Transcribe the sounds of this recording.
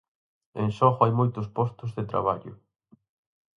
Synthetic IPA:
ẽŋʃɔɣʊajmojt̪ʊspɔst̪ʊzðɪt̪ɾa̰βaʎʊ̰

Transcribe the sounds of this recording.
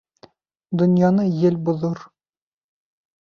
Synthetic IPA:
d̪ŏnjɑnɤjɘlbuðoɾ

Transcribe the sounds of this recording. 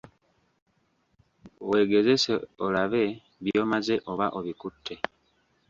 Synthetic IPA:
we̞ːɡe̞ze̞se̞o̞laβe̞ | βjo̞ːmaze̞ʔo̞βaʔo̞βikutʰːe̞

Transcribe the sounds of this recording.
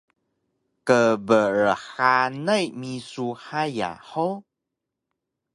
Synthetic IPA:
kəbəɾəħanəjmisuħaja̰ħow

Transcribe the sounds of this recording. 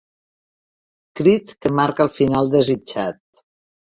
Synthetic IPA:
kɾit̪kəmaɾkəlˠfinalˠd̪əzid͡ʒat̪̚

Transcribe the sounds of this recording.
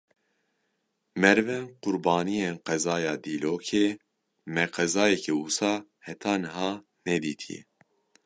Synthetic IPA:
mɛɾvɛnqʊɾbɑːnijenqɛzɑːjɑːd̪iːloːkʰe | mɛqɛzɑːjɛkʰɛusɑːhɛt̪ʰɑːnɨɦɑː | nɛd̪iːt̪ʰḭjɛ̰

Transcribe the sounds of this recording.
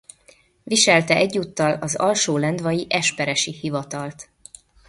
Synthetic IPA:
viʃɛlt̪ɛʔɛɟːuːt̪ːɒlɒzɒ̰lʃoːlɛnd̪vɒjiʔɛʃpɛɾɛʃihivɒt̪ɒlt̪

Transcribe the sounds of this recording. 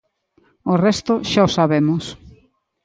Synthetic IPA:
orɛst̪ʊʃaosaβemʊs

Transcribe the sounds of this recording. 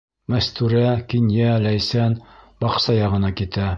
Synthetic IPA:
mæst̪ʉɾækinjælæjsænbɑqsɑjɑʁɤ̆nɑkit̪æ

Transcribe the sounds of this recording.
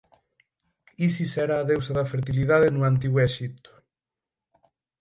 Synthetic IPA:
isisɛɾaːðewsaðafeɾt̪ilið̞aðenuant̪iɣwɛʃit̪ʊ̥

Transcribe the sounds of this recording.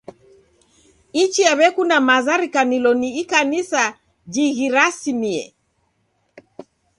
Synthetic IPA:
it͡ʃiaβɛkunamazaɾikanilɔniikanisa | d͡ʒiɣiɾasimiɛ̰

